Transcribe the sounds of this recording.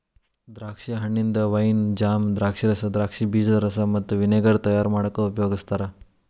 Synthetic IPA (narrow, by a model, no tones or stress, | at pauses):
d̪ɾaːkʂiɐɦɐɳːind̪ɐʋɐjnd͡ʒaːmd̪ɾaːkʂiɾɐsɐd̪ɾaːkʂibiːd͡ʒɐlɐɾɐsɐmɐt̪ːuʋineːɡɐɾt̪ɐjaːɾmaːɽɐkːeupjoːɡist̪aːɾɐ